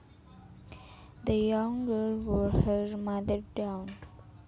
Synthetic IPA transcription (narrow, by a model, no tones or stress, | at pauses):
d̪əjʌ̃ŋɡəlʋɔɾhəɾmʌd̪əɾɖãʊ̃n